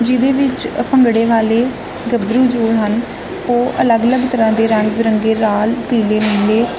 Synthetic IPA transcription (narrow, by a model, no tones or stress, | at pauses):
d͡ʒɪd̪eːʋɪt͡ʃpəŋɡɽeːʋaːleː | ɡəbɾuːd͡ʒoːɦən | oːʔələɡələɡt̪əɾãːd̪eːɾə̃ŋɡɾəŋɡeːɾaːlpiːleːmeːleː